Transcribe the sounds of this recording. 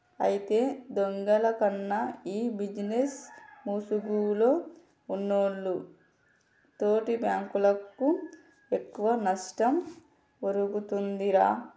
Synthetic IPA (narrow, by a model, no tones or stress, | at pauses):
ɐjit̪e̞ːd̪oŋɡɐlɐkɐnːɐiːbid͡ʒinesmuːsuɡulo̞ː | unːoːɽːu | t̪o̞ːʈibjaːŋkulɐkːu | e̞kːuʋɐnɐʂʈɐm | oɾuɡut̪und̪iɾaː